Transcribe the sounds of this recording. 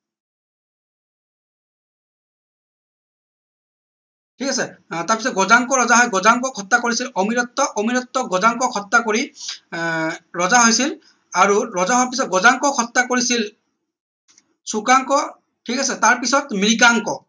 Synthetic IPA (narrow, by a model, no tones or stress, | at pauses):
tʰikasɛtaɹpis̬ɔt̚ɡɔzaŋkɔɹɔzaɦɔjɡɔzaŋkɔkʰɔtːakoɹisilɔmiɹɔtːɔʔɔmiɹɔtːɔɡɔzaŋkɔkʰɔtːakoɹi | ɹɔzaɦojsil | aɹuɹɔzaɦowapisɔɡɔzaŋkɔkʰɔtːakoɹisil | sukaŋkɔ | tʰikasɛtaɹpisɔtmɹikaŋkɔ